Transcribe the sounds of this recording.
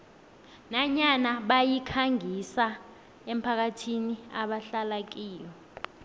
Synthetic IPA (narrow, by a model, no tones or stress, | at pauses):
naɲanaɓajikʰaŋisa | em̩pʰak̬atʰiniaɓaɬalak̬iːjɔ